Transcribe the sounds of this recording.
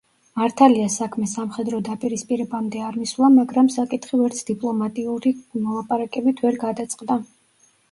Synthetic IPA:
maɾt̪ʰaliasakʰmɛsamχɛd̪ɾɔd̪apʼiɾispʼiɾɛbamd̪ɛaɾmiswlˠamaɡɾamsakʼit̪ʰχivɛɾt̪sʰd̪̥ipʼlˠɔmat̪ʼiuɾimɔlˠapʼaɾakʼɛbit̪ʰvɛɾɡad̪at̪sʼqʼd̪a

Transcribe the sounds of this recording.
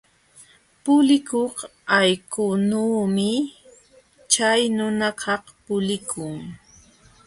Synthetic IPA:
pʊlɪkohajkʊnuːmɪ | t͡ʃajnʊnakʰɑhpʊlɪkʰʊŋ

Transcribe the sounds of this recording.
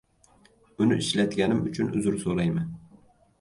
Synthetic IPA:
ʊnɪʔɪʃlat̪ɡʲanɪmʊt͡ʃʰʊnʊzʊɾsolajman

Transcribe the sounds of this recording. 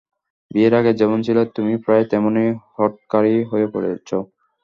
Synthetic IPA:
bieɾaɡed͡ʑɛbont͡ɕʰilot̪umipɾaet̪ɛmonejhɔʈ̚kaɾiɦoepoɾea̰t͡ɕʰo

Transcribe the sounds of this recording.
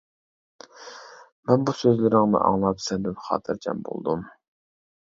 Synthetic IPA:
mɛnbusøzlɪɾɪŋnɨ̰ʔɑ̰ŋlˠɑpsɛbɛpχɑ̰ːt̪ʰɨɾt͡ʃʰɛ̰mbo̰lˠd̪um

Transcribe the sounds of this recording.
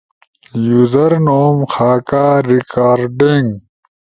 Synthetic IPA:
juzɐɾnoːmxaːkaːɾikaːɾɖiŋɡ

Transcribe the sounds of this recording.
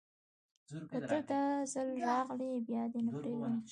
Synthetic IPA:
kəd̪əd̪əzəlɾɑɣlibjɑd̪enapɾeɡi

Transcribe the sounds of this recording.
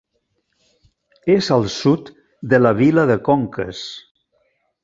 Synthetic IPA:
ezəlˠsut̪ | d̪əlaβ̞iləðəkoŋkə̰s

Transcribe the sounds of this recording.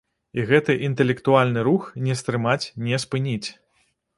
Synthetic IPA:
iɣɛt̪ɨʔint̪ɛlʲɛkt̪ualʲnɨɾuxnʲɛst̪ɾɨmat͡sʲnʲɛspɨnʲit͡sʲ

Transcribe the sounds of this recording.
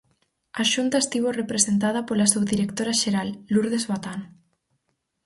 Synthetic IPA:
aʃunt̪aest̪iβorepɾesent̪að̞apolasowðiɾekt̪oɾaʃeɾalːuɾð̞ezβat̪an

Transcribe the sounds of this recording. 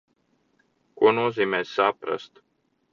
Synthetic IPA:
kuɔnuɔziːmɛːssapɾa̰st̪

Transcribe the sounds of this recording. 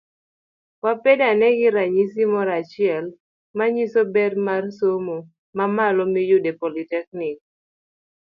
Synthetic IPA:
wapedanɛɡɪɾaɲisimɔɾat͡ʃɪɛl | maɲisobɛrmarsomo | mamalɔmijuʊdepolitɛk̚nɪk̚

